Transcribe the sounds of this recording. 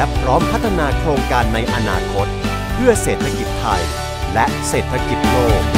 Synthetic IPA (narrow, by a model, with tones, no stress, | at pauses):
pʰɾɔː˦˥mpʰa˦˥t̪ʰːa˧naː˧kʰɾoː˧ŋkaː˧nːa˧jʔa˧naː˧kʰo˦˥t̪̚ | pʰɯ˥˩əseː˨˩t̪ʰːa˧ki˨˩t̪ʰːa˧j | lɛ˦˥ʔseː˨˩t̪ʰːa˧ki˨˩t̪̚ɾoː˥˩k̚